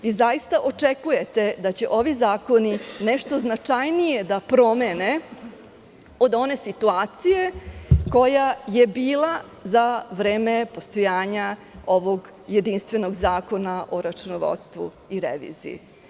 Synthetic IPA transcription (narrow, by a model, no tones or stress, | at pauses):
izajist̪aʔo̞t͡ʂekuje̞t̪e̞d̪at͡ɕe̞ʔo̞ʋizaːko̞nineʂt̪o̞znat͡ʂajnije̞d̪apɾo̞me̞ne̞ | o̞d̪o̞ne̞sit̪uaːt̪sije̞ko̞jaje̞biːlˠa | zaʋɾeːmepo̞st̪o̞jaːɲao̞ʋoɡ | je̞d̪inst̪ʋe̞no̞ɡzaːko̞naʔo̞ɾat͡ʃunoʋo̰t̪st̪ʋṵ | iɾḛʋḭzḭḭ